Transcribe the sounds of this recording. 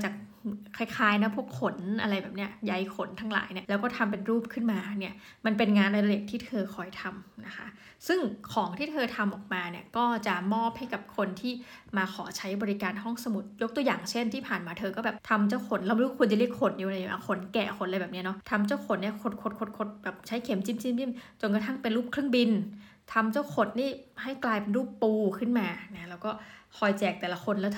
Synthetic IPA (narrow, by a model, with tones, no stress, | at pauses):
t͡ɕaː˨˩k̚ʰː | a˧jkʰaː˧˥jna˦˥pʰu˥˩əkʰːo˩˦nʔa̰˧ɾa˧jbɛː˨˩p̚ni˦˥ɐja˨˦jkʰo˩˦nt̪ʰaː˧˥ŋla̰ː˩˦jni˥˩ɐlɛ˦˥wkɔː˥˩t̪ʰa˧mp̬e˧nɾuː˥˩p̚kʰɯ˥˩nmaː˧ni˥˩ɐ | ma˧npe˧nŋaː˧nʔa˧ɾa˧li˨˩ŋt̪ʰiː˥˩t̪ʰɤː˧kʰɔː˧jt̪ʰa˧mna˦˥kʰa̰˦˥ | sɯ˥˩ŋkʰɔː˩˦ŋt̪ʰiː˥˩t̪ʰɤː˧t̪ʰa˧mʔɔː˨˩k̚maː˧ni˥˩ɐkɔː˥˩t͡ɕa˨˩mɔː˥˩p̚ha˥˩jka˨˩p̚kʰo˧nt̪ʰiː˥˩maː˧kʰɔː˩˦t͡ɕʰa˦˥jbɔː˧ɾi˧˥kaː˧nɦɔ˥˩ŋsa˧mu˨˩˦t̪̚jo˦˥k̚t̪u˧jaː˨˩ŋt͡ɕʰe˥˩nt̪ʰiː˥˩pʰaː˨˩nmaː˧t̪ʰɤː˧kɔː˥˩bɛː˨˩p̚t̪ʰa˧mt͡ɕa˥˩wkʰo˨˩˦nla˧˩m˧ɾu˦˥kʰu˧ənt͡ɕa˨˧li˥˩ə˨kʰo˨˩n̚jiː˧˨˧la˧ja˨˦a̰˧˩kʰo˩˦nkɛː˨˩xʰo˧˩˦n̚ʔla˧jbɛː˨˩p̚ni˦˥˨nɔ˦˥t̪ʰa˧mt͡ɕa˥˩wkʰo˨˩˦nːi˥˩kʰo˨˩t̪̚kʰo˨˩t̪̚kʰo˨˩t̪̚kʰo˨˩t̪̚bɛː˨˩p̚t͡ɕʰa˦˥jkʰe˨˩˦mt͡ɕi˥˩mt͡ɕi˥˩˨mt͡ɕi˥˩mt͡ɕo˧nk̬a˧t̪ʰa˥˩ŋpe˧nɾuː˥˩p̚kʰɾɯ˥˩əŋbi˧n | t̪ʰa˧mt͡ɕa˥˩wkʰo˨˩t̪̚niː˥˩ha˥˩jklaː˧jpe˧nɾuː˥˩pːuː˧kʰɯ˥˩nmaː˧na˦˥lɛ˦˥wkɔː˥˩kʰɔː˧jt͡ɕɛː˨˩k̚t̪ɛː˨˩la˧˦˥kʰo˧nlɛ˦˥wt̪ʰ